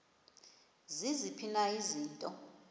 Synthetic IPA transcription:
zizipʰinaiziːntʼɔ

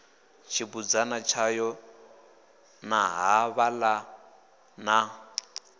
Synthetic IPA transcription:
t͡ʃʰiβud͡zanat͡ʃʰajɔ | naɦaβala | na

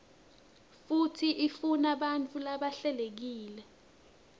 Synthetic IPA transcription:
futʰiʔifunaɓant͡fʰʼulaɓaɬɛlek̬iːlɛ

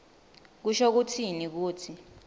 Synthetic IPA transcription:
k̬uʃok̬utʰinik̬uːtʰi

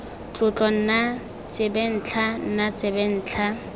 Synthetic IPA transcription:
t͡ɬʼʊt͡ɬʼɔn̩na | t͡sʼɪbɛn̩ːt͡ɬʰan̩nat͡sʼɪbɛn̩ːt͡ɬʰa

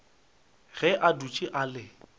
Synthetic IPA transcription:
ɣɛʔadut͡ʃʼiʔalɪ

